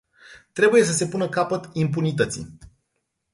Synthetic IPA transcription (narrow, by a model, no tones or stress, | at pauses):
t̪ɾe̞buje̞s̬əse̞punəkapət̪impunit̪ət̪sḭ